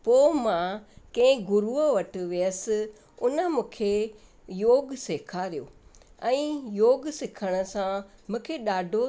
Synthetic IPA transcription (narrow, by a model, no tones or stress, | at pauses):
poːmãkɐ̃ɪ̃ɡʊɾuəʋɐʈ̆ʋijəs̆ | ʊnə̆mũːkʰe | joːɡseːkʰaɾijoːɛ̃ːjoːɡsɪkʰəɽ̃ə̆sãmũːkʰeɗaːɖʱo